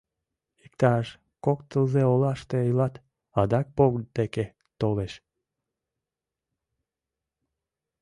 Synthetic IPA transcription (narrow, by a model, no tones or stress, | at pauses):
ik̚t̪ɑʃ | kokt̪əlzeolɑʃt̪eːjlɑt̪ | ɑd̪ɑk̚poɡd̪eke | t̪oleʃ